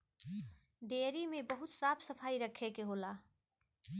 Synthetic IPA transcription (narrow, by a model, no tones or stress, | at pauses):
ɖeːɾimẽbəɦʊt̪saːpʰsəpʰaːiɾəkʰekeɦola